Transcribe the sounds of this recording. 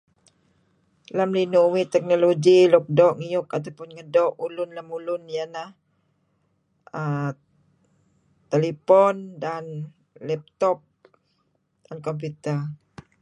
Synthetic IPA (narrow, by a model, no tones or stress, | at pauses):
lamlinuʔwit̪ɛk̚noloɡilɔk̚dɔʔŋijʊkat̪awpʊnŋədɔʔulʊnlamulʊnjanah | ə | t̪elepɔndan | lɛp̚t̪ɔp̚ | d̥ankɔmp̬jut̪ər